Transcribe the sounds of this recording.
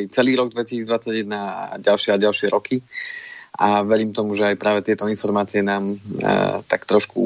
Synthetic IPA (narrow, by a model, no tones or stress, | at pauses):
it͡sɛliːɾɔɡ̚d̪ʋɛcisiːd͡zd̪ʋat͡sːaɟjɛd̪naɟalʃɪɛaɟalʃɪɛɾɔkʰi | aʋɛɾiːmt̪ɔmuʒɛajpɾaːʋɛt̪ɪɛt̪ɔinfɔɾmaːt͡sijɛnaːm̰ | t̪akt̪ɾɔʃkṵ